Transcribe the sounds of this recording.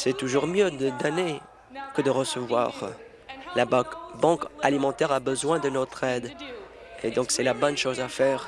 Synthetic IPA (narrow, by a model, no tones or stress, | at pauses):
sɛt̪uʒuʁmjød̪əd̪ane | kəd̪əʁəsəvwa̰ʁ | labbɑ̃kalimɑ̃t̪ɛʁabəzwɛ̃d̪ənɔt̪χɛd̪ | ed̪ɔ̃ksɛlabɔnʃozafɛːʁ